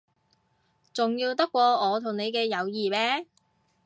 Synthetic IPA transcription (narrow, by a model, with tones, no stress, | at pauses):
t͡sʊ˨ŋjiː˧wt̪ɐ˥kːʷɔː˧ɔː˨˧t̪ʰʊ˨˩ŋne˨˧jkɛː˧jɐ˨˧wjiː˨mɛː˥